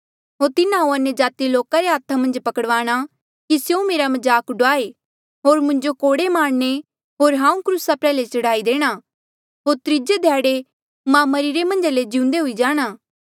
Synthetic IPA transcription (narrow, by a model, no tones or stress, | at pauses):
ɦoːɾt̪ɪnãɦũɐnjəd͡ʒaːt̪iloːkaɾeɦaːt̪ʰamɐ̃nd͡ʒpɐkəɽʋaːɽ̃a | kisjõmeːɾamɐd͡ʒaːkɖʊaːe | ɦoːɾmʊ̃ɲd͡ʒokoːɽemaːɽne | ɦoːɾɦãːũkɾusapɾɛːlet͡ʃɐɽaːid̪eːɽ̃a | ɦoːɾt̪ɾɪd͡ʒed̪ʱjaːɽe | mãmɐɾiɾemɐ̃nd͡ʒaled͡ʒɪ̃ʊ̃nd̪eɦʊid͡ʒaːɽ̃aː